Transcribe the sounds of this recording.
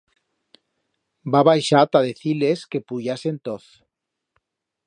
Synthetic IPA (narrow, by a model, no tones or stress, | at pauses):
baβajʃat̪aðeθileske̞puʝasent̪oθ